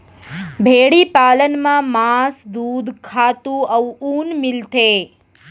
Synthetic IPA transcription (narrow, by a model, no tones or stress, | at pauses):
bʱeɽipaːlənmãmãsd̪uːd̪kʰat̪ũəuuːnmɪlt̪e